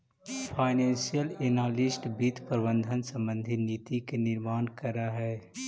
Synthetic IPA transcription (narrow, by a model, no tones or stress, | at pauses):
fʰaːɪnɛ̃ːnsijəleːnaːlɪsʈbiːt̪ʰpəɾbə̃nd̪ʱənsə̃mbə̃nd̪ʱiniːt̪ikenɪɾmaːnkɐɾaɦɛː